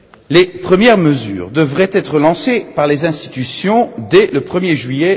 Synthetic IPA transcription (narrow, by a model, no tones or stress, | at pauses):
lepχəmjɛʁməzy̰ːʁd̪əvʁɛt̪ɛt̪χəlɑ̃sepaʁlezɛ̃st̪i̥t̪ysjɔ̃d̪ɛləpχəmjeʒɥijɛ